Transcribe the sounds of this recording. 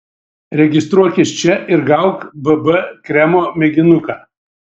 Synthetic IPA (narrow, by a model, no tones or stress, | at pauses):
ɾʲɛɡʲɪst̪ɾuɔkʲɪst͡ʃʲɛʔɪɾɡɐʊkbɐbɐkɾʲæmoːmʲɛɡʲɪnʊkaː